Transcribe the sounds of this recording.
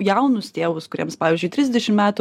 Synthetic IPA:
jɛʊnʊst̪ʲeːʋʊskʊɾʲḭɛmspɑːʋʲɪːzʲd͡ʒʲʊɪt̪ʲɾʲɪzʲd̪ʲɛʃʲɪmmʲæːt̪ʊ

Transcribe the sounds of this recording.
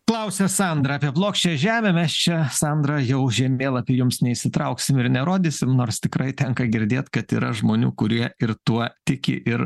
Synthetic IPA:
klˠɐʊsʲɛsɑnd̪ɾɐɑːpʲiɛplˠoːkʃʲt͡ʃʲɛːʒʲæːmʲɛmʲɛst͡ʃʲɛsɑnd̪ɾɐjɛʊʒʲɛmʲeːlˠɑpʲiɛjʊmsnʲɛiʃʲsʲɪt̪ɾɐʊksʲɪmɪɾnʲɛɾoːd̪ʲisʲɪmnoːɾst̪ʲɪkɾɐɪt̪ʲɛŋkɐɡʲɪɾʲd̪ʲeːt̪kɐt̪ḭːɾɐʒmoːnʲuːkʊɾʲiɛɪɾt̪uɔt̪ʲɪkʲɪ̰ʔɪɾ

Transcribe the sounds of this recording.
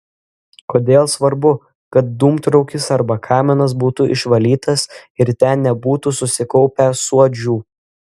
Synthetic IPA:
koːd̪ʲeːlˠsʋɐɾbʊ | kɐt̪̚d̪uːmt̪ɾɔʊkʲɪsɐɾbɐkʰɑːmʲɪnɐs̬buːt̪uʔɪ̰ʃʋɐlʲiːt̪ɐsɪɾt̪ʲænnʲɛbuːt̪usʊsʲɪkɔʊpʲɛsuɔd͡ʒʲuː

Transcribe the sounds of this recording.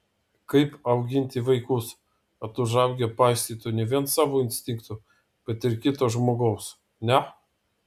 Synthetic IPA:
kɐɪpɐʊɡʲɪnʲt̪ʲiʋɐɪkʊs | ɐt̪ʊʒɑˑʊɡʲɛpɑɪsʲt̪ʲiːt̪ʊnʲɛʋʲiɛnsɑːʋoːɪnʲsʲt̪ʲɪŋkt̪ʊ | b̥ʲɛt̪ɪɾkʲɪt̪oːʒmoːɡoːms | nʲɛ

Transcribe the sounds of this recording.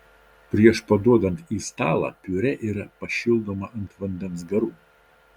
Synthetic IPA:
pʲɾʲiɛʃpɐd̪uɔd̪ɐnt̪iːst̪ɑːlˠɐ̰pʲyɾʲɛʔiːɾɐpɐʃʲilˠd̪omɐʔɐnt̪ʋɐnʲd̪ʲɛns̬ɡɐɾuː

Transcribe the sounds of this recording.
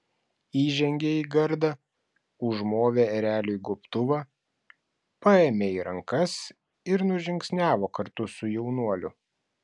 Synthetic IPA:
iːʒʲɛŋʲɡʲeːiːɡɐɾd̪ɐ | ʊʒmoːʋʲeɛɾʲæːlʲʊjɡʊpt̪ʊʋɑː | pɑeːmʲeːiːɾɐŋkɐs | ɪɾnʊʒʲɪŋksʲnʲæːʋoːkɐɾt̪ʊsʊjɛʊnuɔlʲʊ

